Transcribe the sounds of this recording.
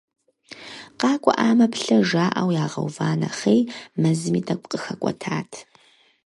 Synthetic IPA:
qɑːkʷʼɔ̰ʔaːmɐpɬɐʒaːʔɐwjaːʁɐ̰wvaːnɐχejmɐzɨmiːtʰɐkʷʼqʼəxɐkʷʼɔ̰tʰaːtʰ

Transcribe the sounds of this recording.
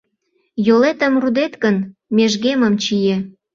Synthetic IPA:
jolet̪ə̆mrud̪et̪kənmeʒɣeməmt͡ɕije

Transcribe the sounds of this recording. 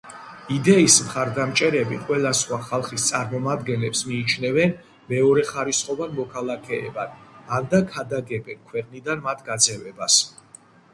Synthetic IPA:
id̪ɛismχaɾd̪amt͡ʃʼɛɾɛbiqʼwɛlasχwaχalˠχist̪sʼaɾmɔmad̪ɡɛnlɛpsmiːt͡ʃʰnɛvɛn | mɛɔɾɛχaɾisχʼɔvanmɔkʰalˠakʰɛ̰ːbad̪and̪akʰad̪aɡɛbɛnkʰwɛqʼnid̪anmat̪ʰɡad̪zɛvɛbas

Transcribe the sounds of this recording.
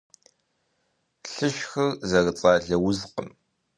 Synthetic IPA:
ɬɨʃxɐrzɐrt͡sʼaːɮɐwʊzqə̰m

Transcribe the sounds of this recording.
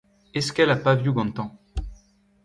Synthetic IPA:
ɛskɛlapavjyɡɑ̃t̪ɑ̃

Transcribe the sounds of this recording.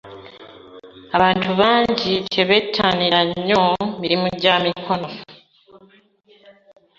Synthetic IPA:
aβaːntʰuβaːɲɟiteβetʰːaːniɾaɲːo̞miɾimuɟaːmikʰo̞no̞

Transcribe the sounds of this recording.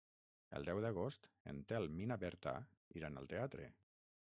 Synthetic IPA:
ə̰lˠd̪ɛwðəɣ̞ost̪ḛnt̪ealminaβɛɾt̪a̰ | iɾanə̰lˠt̪eat̪ɾḛ

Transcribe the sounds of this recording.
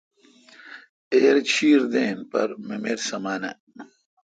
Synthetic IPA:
eːɾt͡ɕʰiːɾd̪eːnpɐ̰ɾmemeɾsɐmaːnɐ̰

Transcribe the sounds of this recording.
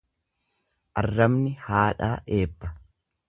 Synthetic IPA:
ʔɐrːɐmnɪhaːᶑaːʔe̞ːpːɐ

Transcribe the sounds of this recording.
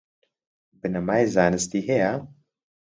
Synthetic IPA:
bɨnɐmaːjzaːnɨst̪iːɦeja

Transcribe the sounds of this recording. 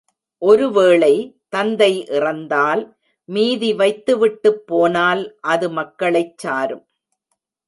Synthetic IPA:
ʔɔɾɯʋeːɭɐɪt̪ɐnd̪ɐɪʔɪrɐnd̪aːl | miːðiʋɐɪt̪ːɯʋɪʈːɯpːoːnaːlʔɐðɯmɐkːɐɭɐɪt͡ʃːaːɾɯm

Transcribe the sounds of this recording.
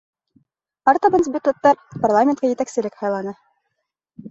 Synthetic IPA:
ɑrt̪obansbʲɪt̪ot̪ːɑɾparlˠamʲɪnt̪kɑjɘ̆t̪æksɘ̆lɘkhɑjlˠɑnɤ

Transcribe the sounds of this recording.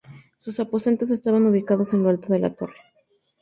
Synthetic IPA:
susapo̞se̞nt̪o̞s̬e̞st̪aβanuβ̞ikaðo̞se̞nloalt̪oðe̞la̰t̪o̞̰re

